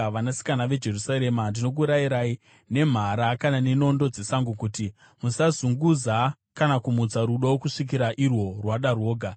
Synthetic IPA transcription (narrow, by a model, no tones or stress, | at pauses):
ʋanasi̥kanaʋe̞d͡ʒe̞rusaɾe̞mandino̞k̬uɾaiɾai | ne̞m̤aɾakanane̞no̞ndo̞d͡ze̞saŋɡukuːti | musazuŋɡuza | kanakumud͡zaɾuɗawokuʂik̬iɾaʔirwo̞rwaɗarwo̞ːɡʱa